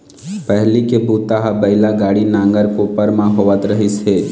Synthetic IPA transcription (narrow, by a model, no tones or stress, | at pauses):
pəɦlikebut̪aɦabəɪlaɡaːɽinãːŋɡəɾkoːpəɾmãɦoʋət̪ɾəɦise